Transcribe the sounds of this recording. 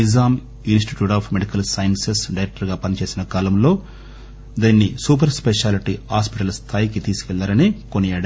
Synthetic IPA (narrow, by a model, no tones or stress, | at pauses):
izaːm | insʈiʈjuːʈaːpʰmeɽikɐlsɐjɐnsesɖɐjɾek̚ʈɐɾɡaːpɐnit͡ʃe̞ːsinɐkaːlɐmlo̞ː | d̪iːnːisuːp̬ɐɾspeʂaːliʈihaːspiʈɐlɐst̪ʰaːjikit̪iːsu̥kɛlːaːɾɐnikoniɐɽɐ